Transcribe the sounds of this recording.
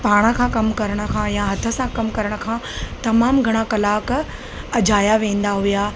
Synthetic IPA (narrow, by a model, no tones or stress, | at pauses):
paːɽ̃əkʰãːkɐmkɐɾəɽ̃ə̆kʰãjãɦɐt̪ʰə̆sãkɐmkɐɾəɽ̃ə̆kʰãːt̪ɐmaːmɡʱɐɽ̃akɐlaːk | ɐd͡ʑaːjaʋẽːn̆d̪aɦʊjaː